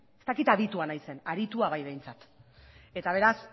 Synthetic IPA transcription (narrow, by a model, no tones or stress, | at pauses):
e̞st̪akit̪aðit̪uanajse̞naɾit̪uaβajβe̞jnt͡sat̪ | e̞t̪aβ̞e̞ɾas